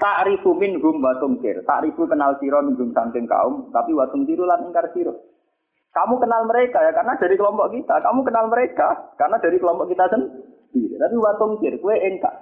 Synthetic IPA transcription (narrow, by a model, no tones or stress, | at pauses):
t̪aʔɾifumɪnɦʊmwat̪uŋkɪ̰rt̪a̰ʔɾifukənalsiɾɔniɡʊmsant̪ɪŋka̰ʊmt̪apiwat̪ʊŋsiɾulanɪŋkarsiɾɔ | kamukənalməɾekajakarnad̥a̤ɾikəlɔmpɔʔkit̪akamukənalməɾekakarnad̥a̤ɾikəlɔmpɔʔkit̪asən | d̪̥iɾḛt̪apiwat̪uŋkɪrkuweʔɪŋka̰ʔ